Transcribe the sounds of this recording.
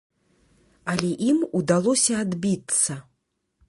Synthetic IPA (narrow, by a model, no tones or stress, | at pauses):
ɐlʲɛʔimud̪alˠɔsʲɐːd̪bʲit̪sɐ